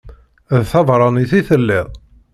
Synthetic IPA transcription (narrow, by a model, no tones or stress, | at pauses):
ðθɑvɾˤɑniθiθəlːɪðˤ